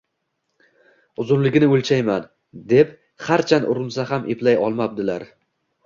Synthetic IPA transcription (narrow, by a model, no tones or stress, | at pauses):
ʊzʊnlɪɡʲnɪɵlʲt͡ʃʰajman | d̪e̞p | χaɾt͡ʃʰanʊɾɪnsaɦamʔeplajɒlˠmap̚d̪ɪlaɾ